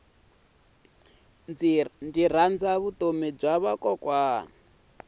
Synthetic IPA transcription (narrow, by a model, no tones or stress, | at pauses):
ndiɾ̤and͡zaβut̪ʼomɛb͡ʐaβakʼɔkʼwaː